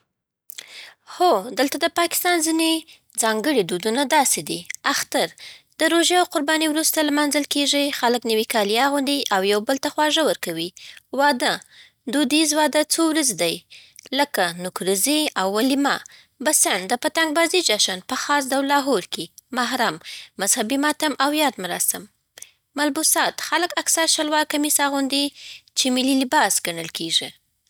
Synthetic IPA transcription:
xod̪əlt̪ad̪əpɑkɪ̥st̪ɑnzine | d͡zɑŋɡəɽid̪ud̪unad̪ɑsed̪iaxt̪aɾd̪̥əɾoʒjaawqʊɾbɑniwɾust̪alamanzəlkeʐixaləknəwikɑlijɑɣund̪iʔawjawbəlt̪axwɑʒəwəɾkawiwɑd̪ə | d̪ud̪izwɑd̪ət͡sowɾazed̪ajləkanʊkɾiziawːalima | basaɳd̪əpat̪aŋɡ̚bɑzid͡ʒɑʃanpəxɑs̬d̪awlɑɦoɾkemaɦɾamːazhabimɑt̪amʔawjɑd̪maɾɑsɪm | malbusɑt̪xaləkaksaɾʃalwɑkamisaɣund̪it͡ʃemililɪbɑsɡ̥aɳəlkeʒi

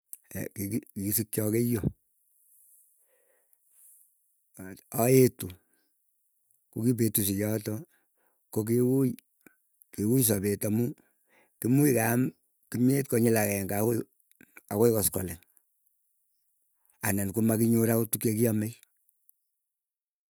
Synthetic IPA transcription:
kikikisik̚t͡ʃɔkejo | ɔetu | kokip̬etus̬ijɔtɔ | kok̬iwu | kewujis̬abetamu | kimuikam | kimet̚kɔɲilakɛŋa | akoikɔskɔ̰lɛŋ | anankumakiɲoɾakotukjekiɔmej

